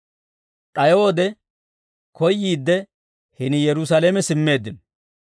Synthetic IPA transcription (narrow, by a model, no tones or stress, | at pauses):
t̪ʼɐjoːd̪ɛ | kɔjːiːd̪ːɛ | hɪnɪjɛɾʊs̬ɐleːmɛsɪmːe̞ːd̪ːɪn